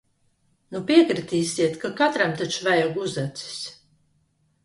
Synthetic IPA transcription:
nupiɛkɾit̪iːsʲiɛt̪kakat̪ɾamt̪at͡ʃvæjɔɡuzat̪si̥s

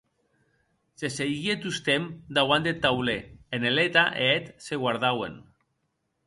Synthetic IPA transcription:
seseɣiet̪ust̪emd̪awand̪et̪ːawleenelet̪aʔeet̪seɣwaɾðawḛn

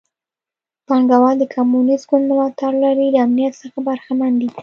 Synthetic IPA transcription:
pɑŋɡawɑld̪əkʰamunisɡʊnd̪lɑt̪aɾlaɾilaamnijat̪səxabaɾxamand̪i

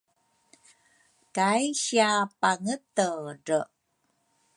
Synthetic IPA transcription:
kajɕiapaŋətəɾə

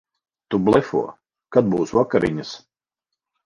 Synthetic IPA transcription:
t̪ublˠɛfṵɔ | kad̪̚buːsvakaɾʔḭɲas

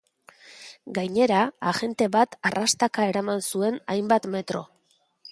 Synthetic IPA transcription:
ɡajɲe̞ɾaːʝe̞nt̪e̞βat̪arast̪akae̞ɾamansue̞najmbat̪me̞t̪ɾo̞̰

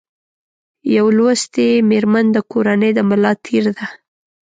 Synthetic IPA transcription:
jawlwast̪emeɾmand̪əkoɾanəjd̪əmɪlɑt̪ʰiɾd̪a

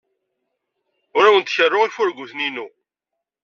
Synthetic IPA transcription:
ʊɾæwənt̪çərːʊʁifʊɾɡuθninu

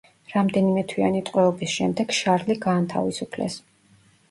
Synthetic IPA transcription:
ɾamd̪ɛnimɛt̪ʰwianit̪ʼqʼwɛɔbisʃɛmd̪ɛɡ̥ʃaɾliɡaːnt̪ʰa̰visupʰlɛ̰s

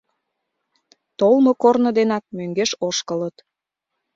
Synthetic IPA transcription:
t̪olmokornəd̪enɑk̚møŋɡeʃoʃkələt̪

